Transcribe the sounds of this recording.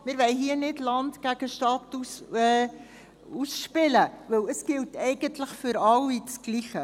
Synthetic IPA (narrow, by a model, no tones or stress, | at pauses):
mɪɾʋɛɪɦiənɪdlɑntɡ̥æɡ̥əʃtɑtus | usʃpɪləvɪləsɡ̥ɪltɛɪɡəntləχfʏɾɑlːit͡sɡ̥liːχə